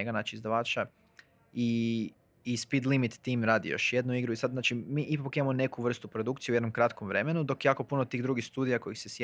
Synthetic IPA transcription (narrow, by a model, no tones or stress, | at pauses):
eɡanaːt͡ʃiizd̪aʋaːt͡ʃa | iː | spid̪lˠimit̪ːiːmɾaːd̪ḭjo̞̰ʃjed̪nuiɡɾuisad̪znaːt͡ʃimiːʔipakimamo̞ne̞kuʋr̩st̪upɾod̪ukt̪sijued̪nomkɾat̪komʋɾe̞me̞nud̪o̞kjjaːko̞punot̪iːɣd̪ɾuɡixst̪uːd̪ijako̞jixsesje